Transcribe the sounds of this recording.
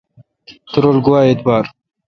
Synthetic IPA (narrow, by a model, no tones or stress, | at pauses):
t̪ʊɾolɡʊwaːet̪̚baːɾ